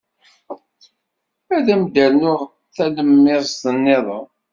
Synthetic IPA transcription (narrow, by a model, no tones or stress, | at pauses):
æðæmd̪ælnʊʁ | θæləmːɪðˤst̪ənːɪðˤə